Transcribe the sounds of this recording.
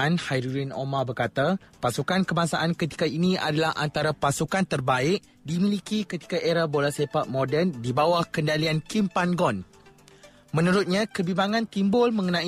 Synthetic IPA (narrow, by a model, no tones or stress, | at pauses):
anhajɾuɾino̰mabərkat̪apasukankəmãsaʔankət̪i̥kainĩa̰dalahʔa̰nt̪aɾapasukant̪ərbaɪʔ̚ | dimilikikət̪i̥kaʔeɾabolasepaʔ̪̚modɛrndibawahkəndaliankimpanɡɔn | mə̃nũɾʊt̪̚ɲãkəbimaŋãnt̪imbʊlmə̃ŋənã